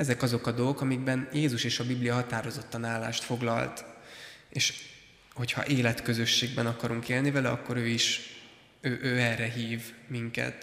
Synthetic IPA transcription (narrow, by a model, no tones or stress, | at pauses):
ɛzɛkɒzo̞kɒd̪o̞lɡo̞kɒmiɡbɛnjeːzuʃeːʃɒbiblijɒɦɒt̪aːɾo̞zo̞t̪ːɒnaːlːa̰ːʃt̪fo̞ɡlɒ̰lt̪ | eːʃ | ho̞chɒ̰ʔeːlɛt̪kø̞zø̞ʃːeːɡbɛnɒkɒɾuŋkeːlnivɛlɛɒkːo̞ɾøːiʃ | øːʔøːɛrɛɦiːvmiŋkɛ̰t̪